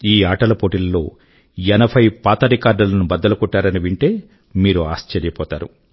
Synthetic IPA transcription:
iːaːʈɐlɐpoːʈilɐlo̞ː | ɛnɐpʰɐjpaːt̪ɐɾikaːɾɖɐlɐnubɐd̪ːɐlɐkɔʈːaːɾɐniʋiɳʈe̞ː | miːɾuaːst͡ʃɐɾjɐpɔːt̪aːɾu

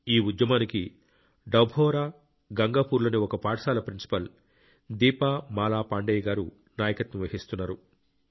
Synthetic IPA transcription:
iːud̪jɐmaːniki | ɖɐwbʱɔːɾaː | ɡɐŋɡaːpuːɾloːniɔkɐpaːʈɐʂaːlɐpɾinsi̥pɐl | d̪iːpaːmaːlaːpaːɳɖɛːjɡaːɾu | naːjɐkɐt̪nɐʋɐɦist̪unːaːɾu

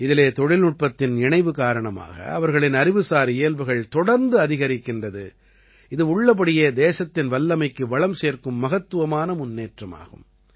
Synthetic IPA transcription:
ɪðɪleːt̪ɔɽɪlʊʈ̚pɐt̪ːɪnɪɳɐɪʋɯkaːɾɐɳɐma̰ːɣɐ̰ɐ̰ʋɐɾɣɐɭɪnɐɾɪʋɯsaːɾeːlʋɯɣɐɭt̪ɔɽɐɾnd̪ɯɐðɪɣɐɾɪkːɪndrɐðɯ̰ | ɪðɯʊɭːɐp̬ːɐɽɪjeːd̪eːsɐt̪ːɪnʋɐlːɐmɐɪkːɯʋɐɭɐmseːɾkɯmːɐɣɐt̪ːɯʋɐmaːnɐmʊnːeːʈrɐma̰ːɣɯ̰m

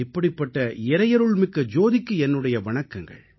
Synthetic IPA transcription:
ɪpːɐɽɪpːɐʈːɐɪɾɐjɐɾɯɭmɪkːɐd͡ʒoːðɪkːɯɛnːɯɽɐjɐʋɐɳɐkːɐŋɡɐ̰ɭ

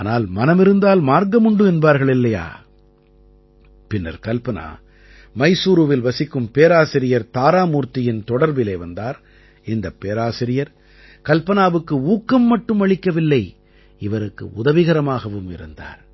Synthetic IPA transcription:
aːnaːlmɐnɐmɪɾɯnd̪aːlmaːɾŋɡɐmʊɳɖɯɛnbaːɾɣɐɭɪlːɐja̰ː | pɪnːɐ̰ɾkɐlpɐna̰ː | mɐɪsuːɾɯʋɪlʋɐsɪkːɯmpeːɾaːsɪɾɪjɐɾt̪aːɾaːmuːɾt̪ɪjɪnt̪ɔɽɐɾbɪleːʋɐnd̪aːɾ | ɪnd̪ɐpːeːɾaːsɪɾɪjɐɾ | kɐlpɐnaːʋɯkːɯuːkːɐmːɐʈːɯmɐɻɪkːɐʋɪlːɐɪ | ɪʋɐɾɯkːɯ̰ʔʊðɐʋɪɣɐɾɐmaːɣɐʋɯmɪ̰ɾɯ̰nd̪a̰ːɾ

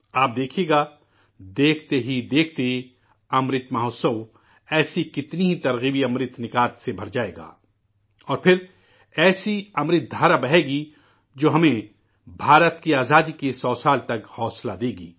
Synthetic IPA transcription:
aːp̚d̪eːkʰeːɡaː | d̪eːkʰt̪eɦid̪eːkʰt̪ei | ɐmɾɪt̪maɦoːsəʋ | ɛːsikɪt̪niɦit̪ɐɾɣiːbiɐmɾɪt̪nɪkaːt̪sebʱɐɾd͡ʒaːḛːɡa̰ː | ɔːɾpʰɪɾ | ɛːsiɐmɾɪt̪̚d̪ʱaːɾabɐɦeːɡi | d͡ʒoːɦɐmẽ | bʱaːɾət̪kiaːzaːd̪ikesɔːsaːlt̪ɐkhɔːslad̪eːɡḭː

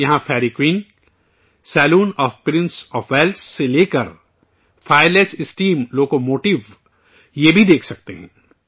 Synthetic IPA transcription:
jɐɦãfʰɛːɾikwiːn | sɛːluːnɔːfpɾɪ̃nsɔːfʰʋɛːlsːeleːkəɾ | fʰaːɪɾleːsɪsʈiːmloːkomoːʈɪʋ | jebʱid̪eːkʰsɐk̚t̪eɦɛ̰̃ː

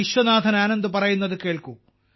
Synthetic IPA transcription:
iɕʋɐnaːd̪ʱɐnaːnɐnd̪ɨpɐrɐjunːɐðɨke̞ːɭku

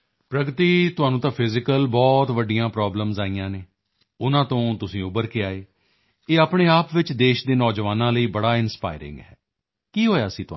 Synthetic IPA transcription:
pɾəɡt̪iːt̪ʊɦaːnũːt̪ãːpʰɪzɪkəlbɔːt̪ʋəɖɪjãːpɾɔːbləmzaːijãːneː | ʊnãːt̪õːt̪ʊsĩːʊbəɾkeːaːeː | eːaːpɳeːaːpʋɪt͡ʃd̪eːʃd̪eːnɔːd͡ʒʋaːnãːləiːbəɽaːɪnspa̰ːɪɾɪ̰̃ŋɡɦɛː | kiːɦoːjaːəsĩːt̪ʊa

